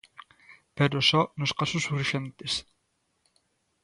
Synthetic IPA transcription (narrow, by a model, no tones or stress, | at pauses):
peɾosonoskasosuriʃent̪es